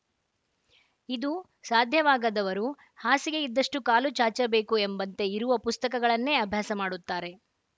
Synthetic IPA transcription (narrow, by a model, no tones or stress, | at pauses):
id̪u | saːd̪ʱjɐʋaːɡɐd̪ɐʋɐɾu | haːsiɡe̞id̪ːɐʂʈukaːlut͡ʃaːt͡ʃɐbe̞ːkuembɐnt̪e̞iɾuʋɐpust̪ɐkɐɡɐɭɐnːe̞ːɐbʱjaːsɐmaːɽut̪ːaːɾe̞